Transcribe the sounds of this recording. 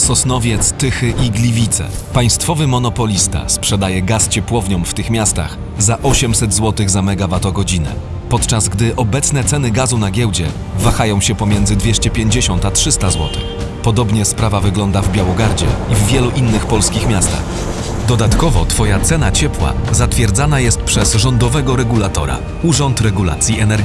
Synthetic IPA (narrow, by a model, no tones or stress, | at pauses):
sɔsnɔvʲjɛt̪st̪ɘxɘʔiɡlʲivʲit̪sɛ̰paj̃st̪fɔvɘmɔnɔpɔlʲist̪a̰spʂɛd̪ajɛɡast͡ɕɛpwɔvɲɔ̃wft̪ɘxmʲjast̪a̰x | zaʔɔɕɛmsɛd̪zwɔt̪ɘɣzamɛɡavat̪ɔɡɔd͡ʑinɛ̰ | pɔt̪t͡ʂazɡd̪ɘʔɔbɛt̪snɛt̪sɛnɘɡazunaɡʲɛwd͡ʑɛ̰ | vaxajɔ̃w̃ɕɛpɔmʲjɛnd̪zɘd̪vʲɛɕt͡ɕɛpʲjeɲd͡ʑɛɕɔnt̪atʂɘst̪azwɔt̪ɘx | pɔd̪ɔbɲɛspɾavavɘɡlɔnd̪avbʲjawɔɡaɾd͡ʑɛ̰ivːʲjɛluʔinːɘxpɔlskʲixmʲjast̪a̰x | d̪ɔd̪at̪kɔvɔt̪fɔjat̪sɛnat͡ɕɛpwa̰zat̪fʲjɛɾd̪zanajɛst̪̚pʂɛzʐɔnd̪ɔvɛɡɔɾɛɡulat̪ɔ̰ɾa̰ | uʐɔnt̪ɾɛɡula̰t̪sʲjiɛnɛɾɡʲi